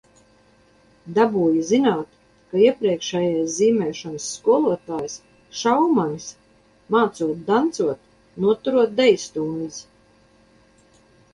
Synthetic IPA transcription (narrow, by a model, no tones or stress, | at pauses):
d̪abuːjizinaːt̪ | kaiɛpɾiɛkʃɛjajsziːmɛːʃɔnsːkuɔlˠuɔt̪aːjs | ʃawmanis | maːt̪suɔt̪̚d̪ant̪suɔt̪ | nuɔt̪uɾuɔt̪̚d̪ɛjst̪uːniz